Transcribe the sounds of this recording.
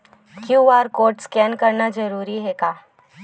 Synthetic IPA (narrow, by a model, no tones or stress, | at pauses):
kjuːaːɾkoːɾʈskɛːnkɐɾnad͡ʒɐɾuːɾiɦɛkaː